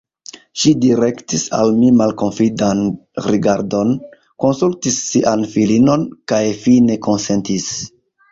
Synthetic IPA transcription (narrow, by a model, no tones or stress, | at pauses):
ʃidiɾe̞ktisa̰lmimalko̞nfidanɾiɡaɾdo̞n | ko̞nsultisːiʔanfilino̞nkajfine̞ko̞nse̞ntis